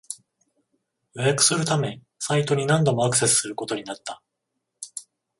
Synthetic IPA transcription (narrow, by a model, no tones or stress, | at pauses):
jojakɯ̟̥sɨɾɯ̟t̪amẽ̞ | sait̪o̞ɲ̟inãnd̪o̞mo̞akɯ̟̥se̞sɨ̥sɨɾɯ̟ko̞t̪o̞ɲ̟inat̪ːa